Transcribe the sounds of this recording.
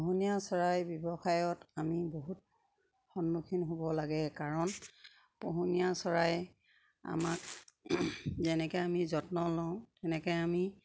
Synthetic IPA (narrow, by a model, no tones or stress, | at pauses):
poɦunijasɔɹajbɔbɔxajɔtamiboɦut̚ | xɔnːukʰinɦobɔlaɡɛkaɹɔn | poɦunijasɔɹaj | a̰mak̚ | zɛnɛkɔjamizɔtnɔlɔʊ̃tɛnɛkɔjami